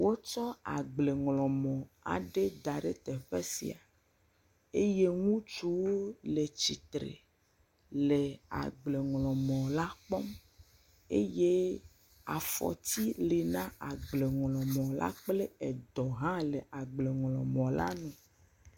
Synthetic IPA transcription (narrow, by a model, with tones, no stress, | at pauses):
wo˦t͡ʃɔ˦a̰˨ɡ͡ble˨ŋlɔ̃˨mɔ̃˨a̰˨ɖe˦d̪a˨ɖe˦t̪ɛ˨ɸe˦sḭ˨a˨ | e˦je˦ŋũ˦t͡ʃu˦wo˦le˨t͡ɕi˨t̪ɾḛ˨ | le˨a̰˨ɡ͡ble˨ŋlɔ̃˨mɔ̃˨la˦k͡pɔ˦m | ḛ˦je˦ | a˨fɔ̰˨t̪i˦le˨nã˦a˨ɡ͡ble˨ŋlɔ̃˨mɔ̃˨la̰˦k͡ple˦ɛ˨d̪ɔ˨ɦã˦le˨a˨ɡ͡ble˨ŋlɔ̃˨mɔ̃˨la̰˦nũ˨